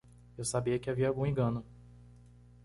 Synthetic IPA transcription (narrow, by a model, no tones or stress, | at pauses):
ewsabiɐkɪaviɐawɡũẽŋɡɐ̃nʊ